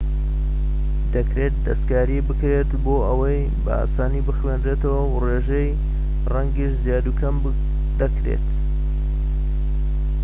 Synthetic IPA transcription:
d̪ɐkɾe̞t̪̚d̪ɐskaːɾibɨkɾet̪boːʔɐwɐj | bɐ̰a̰ːsaːnibɨxwend̪ɾet̪ɐwɐwreʒej | rɐŋɡiʃzjaːd̪ukʰɐmb | d̪ɐkɾḛt̪

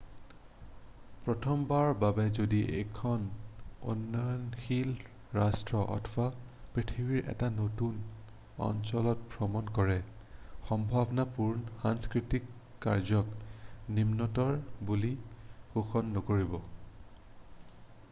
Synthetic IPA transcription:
pɹɔtʰɔmbaɹbabɛzodiʔḛjkʰɔno̰nːɔjɔnxil | ɹastɹɔʔɔ̰tʰbapɹitʰibiɹʔɛ̰tanotun | ɔ̰nsɔlɔt̚bʱɹɔmɔnkɔɹɛ | xɔmbʱabɔnapuɹnɔxanskɹitikː | a̰ɹzɔknimnɔtɔɹbulixoxɔnːɔkoɹibɔ

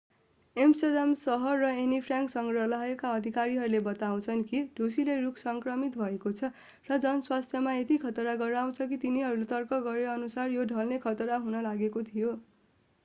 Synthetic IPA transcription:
emsod̪amsʌɦʌrːʌenipʰrjaŋksʌŋrʌlaɦekaʌd̪ʱikaɾiɦʌɾulebʌt̪aw̃t͡sʰʌnkiɖʱosilerukʰsʌŋkrʌmit̪bʱʌekot͡sʰʌ | rʌd͡zʌnʌswast̪ʰjʌmaet̪ikʰʌt̪ɾaɡʌɾaw̃t͡sʰʌkit̪iniɦʌɾulet̪ʌrkʌɡʌɾeʌnusarjoɖʱʌlnekʰʌt̪ɾaɦunʌlaɡekot̪ʰijo

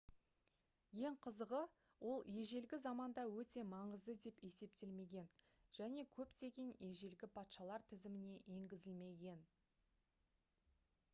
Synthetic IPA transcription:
je̞ɴqʰəzəʁə | wo̞lˠje̞ʒe̞lɡʲɪzɑmɑnd̪ɑwɵt̪e̞mɑɴəzd̪əd̪e̞pe̞se̞p̚t̪e̞lme̞ɡʲe̞n | ʒ̥æne̞kʲʰɵpt̪e̞ɡʲenje̞ʒe̞lɡʲɪpʰɑt̪ʃɑlˠɑɾt̪ʰɪzɪmɪne̞ʔje̞ŋɡʲɪzɪlme̞ɡʲe̞n

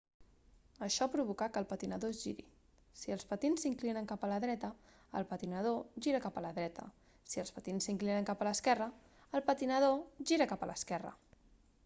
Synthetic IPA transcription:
əʃɔpɾuβukakəlˠpət̪inəðoʒiɾḭ | siəlˠspət̪insiŋklinəŋkapələðɾɛt̪ə | əlˠpət̪inəð̞oʒiɾəkapələðɾɛt̪ə̰ | siəlspət̪insːiŋklinəŋkapələskɛrəː | lˠpət̪inəð̞oʒiɾəkapəlʔəskɛrə̰

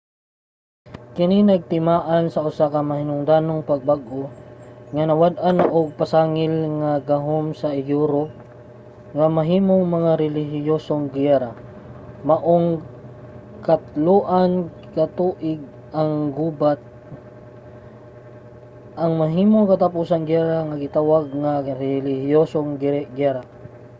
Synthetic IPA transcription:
kɪninɐɡ̚t̪ɪmaːʔansɐʔʊsakɐmɐhɪnʊŋd̪aːnoŋpɐɡ̚baɡʔoŋɐnɐwad̪̚ʔanʔoɡ̚pɐsaːŋɪlŋaɡɐɦomsɐʔɪjuɾo | ŋɐmɐɦiːmoŋmɐŋaɾɛlɪɦɪjoːsoŋɡɛɾa | maʔoŋ | kat̪luʔan | kat̪uːʔɪɡ̚ | ʔaŋɡuːbat̪̚ | ʔaŋmɐɦiːmoŋkat̪apuːsaŋɡaɾaŋaɡɪt̪awaɡŋaɾɛlɪhɪjosoŋɡɪɡaɾa

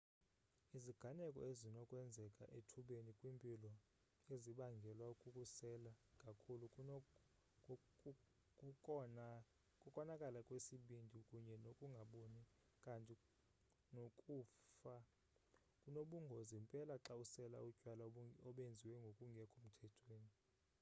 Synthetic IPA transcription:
iziɡ̥ʱanɛkʼɔ̰ezinɔkʼwɛnd͡zʱɛkʼaʔetʰuɓenikʼwimpʼilɔ | eziɓaŋɡʱɛlwaukʼukʼusɛlakʼakʰʼulu | kʼu | kʼukʼɔnakʼalakʼwesiɓindʱikʼuɲɛnokʼuŋɡʱaɓoni | kʼantʼi | nokʼuːfa | kʼunoɓuŋɡʱozimpʼɛlaǁausɛla̰ucʼwalaɔɓend͡zʱiwɛŋɡʱokʼuŋɡʱɛkʼʰom̩tʰɛtʰweːni

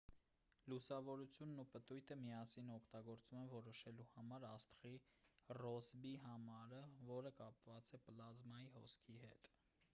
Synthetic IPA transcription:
lusɑvɔɾut͡sʰjunːupət̪ujt̪ʰəmiɑsinɔkʰt̪ɑɡɔɾt͡sumɛnvɔɾɔʃɛluhɑmɑɾɑst̪χirɔzbiɦɑmɑɾəvɔɾəkɑpvɑt͡sɛplɑzmɑjihɔ̰skʰihɛt̪

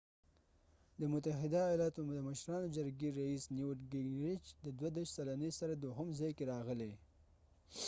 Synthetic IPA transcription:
d̪əmʊt̪aɦɪd̪ajɑlɑt̪od̪əməʃɾɑnod͡ʒaɾɡeɾaisniwʈɡɪɡnɾɪt͡ʃd̪əd̪wad̪eʃt̪salanisaɾad̪oɦʊmzɑjkeɾɑɣəle

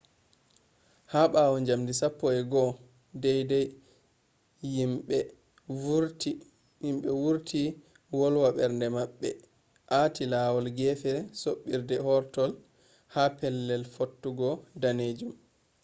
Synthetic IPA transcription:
haɓawɔɲd͡ʒamdisapːɔɛɡɔ | dɛjdɛj | imɓɛ | uɾti | imɓɛwuɾtʰi | wɔlwaɓɛɾndɛmaɓːɛ | ʔatʰilaːwɔlɡɛfɛsoɓːiɾdɛhɔɾtɔl | hapɛlːɛlfotːuɡɔdaned͡ʒum

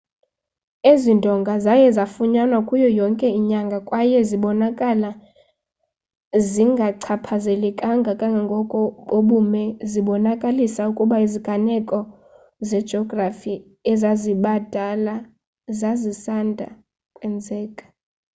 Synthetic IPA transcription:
ezindʱɔŋɡʱazajɛzafuɲanakʼujɔjɔŋkʼɛiɲaŋɡʱakʼwajɛziɓɔnakʼala | ziŋɡʱaǀʰapʰazɛlɛkʼaŋɡʱakʼaŋɡʱaŋɡʱɔkʼɔɓoɓumɛziɓɔnakʼalisaukʼuɓaiziɡ̥ʱanɛkʼɔ | zɛd̥d͡ʒʱɔɡrafi | ɛzaziɓad̥ʱala | zazisandʱa̰ | kʼwɛnd͡zʱɛːkʼḁ

